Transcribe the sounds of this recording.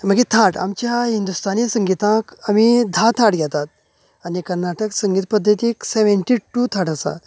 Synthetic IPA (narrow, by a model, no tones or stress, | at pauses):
məɡit̪ʰaʈa̰mt͡ɕjaɦind̪ust̪anisəŋɡit̪ãkamid̪ʱat̪ʰaʈɡʱjɛt̪at̪̚ | anikəɾnaʈəksə̃ŋɡit̪̚pəd̪ʱːət̪ikseʋeɳʈiʈut̪ʰaʈəsa̰